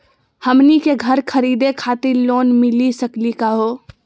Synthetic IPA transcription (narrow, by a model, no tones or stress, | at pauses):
həmnikeɡʱɐɾkʰɐɾiːd̪ekʰaːt̪ɪɾloːnmɪlisəklikaɦoː